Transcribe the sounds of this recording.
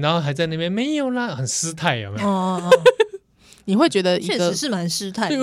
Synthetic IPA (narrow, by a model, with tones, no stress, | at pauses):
na˧˥nxo˥˧a˧˥ɪt͡sa˥ɪna˥˩pjɛ˥˧nme˧˥˦ɪjo˨˩ʊlə˦xə˨˩nsɹ̩˥t̪ʰa˥˩ɪa̰˨˩m˧˩ɔ˥˧ | ni˨˩xwe˥˩ɪt͡ɕɥɛ˧˥d̪ə˧i˧˥˩ɡə˧˥ʂɻ̩˥˩ma˧˦˥nsɹ̩˥t̪ʰa˥˩˥